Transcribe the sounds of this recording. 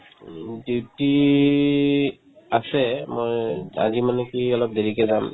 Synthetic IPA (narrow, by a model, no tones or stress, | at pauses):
duwti | asɛmɔja̰zimanɛkiɔlɔp̚deɹikɛzam